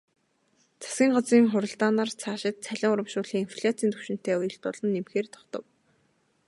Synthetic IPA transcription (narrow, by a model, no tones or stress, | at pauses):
t͡sʰḁsɡʲiːŋɢɔt͡siːŋχʊɾə̆ɮt̪aːnart͡sʰaːʃɪ̆t̪̚t͡sʰæɮʲɪ̆ŋʊɾə̆mʃʊːɮxiːŋinfʰɮʲat͡sʰiːnt̪ʰu̥wʃɪ̆n̥t̪eːujɵ̆ɬt̪pɔɮɞ̆nːemxeːrt̪ʰɔ̥χt̪ɞ̆w